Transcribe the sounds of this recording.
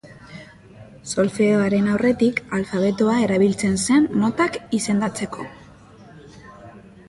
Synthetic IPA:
so̞lfeoaɾe̞nawre̞t̪ikalfaβ̞e̞t̪oae̞ɾaβ̞ilt͡se̞nse̞nːo̞t̪akise̞nd̪at͡se̞ko̞

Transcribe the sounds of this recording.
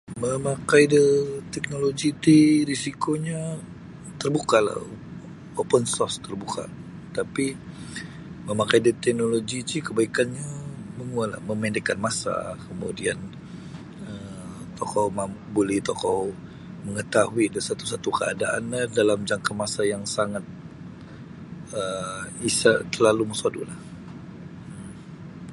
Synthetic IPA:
məmakajdət̪ɛk̚noloɡit̪iɾisikoɲa | t̪ərbukala̰ | opənsɔrst̪ərbuka̰ | t̪api | məmakajdət̪ɛk̚noloɡit̪ikəbaikanɲaməŋuala̰məmɛndɛkanmasa̰kəmṵdian | ə | t̪okɔmabolɛht̪okɔ | məŋət̪ahuidasat̪u̥sat̪ukəa̰daʔa̰nɲadalamd͡ʒaŋkamasajaŋsaŋat̪̚ | əisat̪əlaluməsadṵlah

